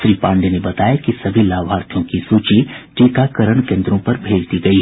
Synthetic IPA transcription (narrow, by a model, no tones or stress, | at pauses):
sɾiːpãːɳɖenebɐt̪aːjakisɐbʱilaːbɦaːɾt̪ʰjõkisuːt͡ʃiʈiːkakɐɾəɳ̃kẽːnd̪ɾõpɐɾbʱeːd͡ʒt̪iɡɐiː